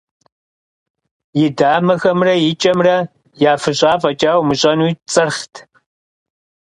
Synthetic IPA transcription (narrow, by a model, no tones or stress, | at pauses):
jɪdaːmɐxɐmrɐjɪt͡ʃʼɐmrɐ | jaːfɨɕʼaːfʼɐt͡ʃʼaːwmɨɕʼɐnujt͡sʼɨrχtʰ